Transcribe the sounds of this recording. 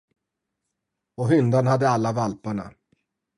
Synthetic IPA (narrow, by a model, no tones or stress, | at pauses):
ɔɦʏnd̪anhad̪ːəalːavalpaɳa̰